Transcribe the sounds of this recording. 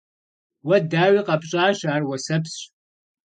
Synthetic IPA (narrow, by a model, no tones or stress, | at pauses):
wɐdaːwiqɐpɕʼaːʃaːrwɐsɐps